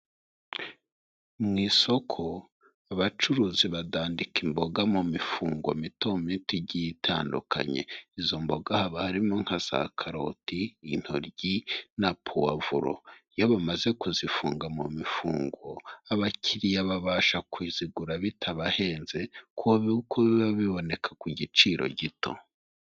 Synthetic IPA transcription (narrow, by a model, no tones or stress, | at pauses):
mŋiːso̞kʰo̞ | aβat͡ʃuɾuːziβadaːndikimbo̞ɡamumifuːŋɡwo̰mitomitiɟitʰa̰ːndṵkʰa̰ɲe̞̰izo̞mbo̞ɡahaβahaɾimo̞ŋhasa̰kʰaɾo̰tiːn̥ho̰ɾɟinapʰowa̰vṵɾo̰ijoβamaze̞kuzifṵːŋɡamumifṵːŋɡoaβacʰiɾijaβaβaːʃakwiːz̥iɡuɾaβitʰaβahe̞ːnze̞kʰuβiukʰoβaβiβo̞ne̞kʰḁkuɟit͡ʃiɾo̞̰ɟitʰo̞̰